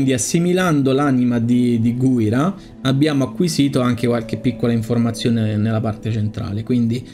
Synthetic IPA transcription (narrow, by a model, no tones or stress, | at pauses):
nd̪iasːimiland̪olanimad̪id̪iɡujɾa | abːjaːmoakːwiziːt̪oaŋk̟ekwalk̟epːikːolaiɱformat̪sːjoːnenelːapart̪et͡ʃent̪ɾa̰ːlekwind̪i